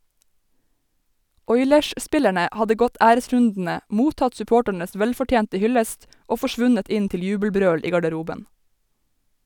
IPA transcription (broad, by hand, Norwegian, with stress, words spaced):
ˈɔʏlɛʃˌspɪlæɳə ˈhɑdə ˈɡɔt ˈæːɾəˌsɹʉndn̩ə ˈmuːtɑt sʉˈpoːʈəɳəs ˈʋɛlfɔˌʈjeːntə ˈhʏləst ˈoː fɔˈʃʋʉnət ˈɪn ˈtɪl ˈjʉːbl̩ˌbɾøːɽ ˈiː ɡɑɖəˈɾuːbən